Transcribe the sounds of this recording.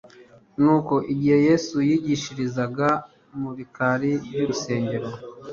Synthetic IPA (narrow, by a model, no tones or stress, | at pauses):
nuːko̞ʔiɟihe̞je̞ːsujiːɟiʃiɾizaɡa | muɾikaɾiɾjuuse̞ːɲɟe̞ɾo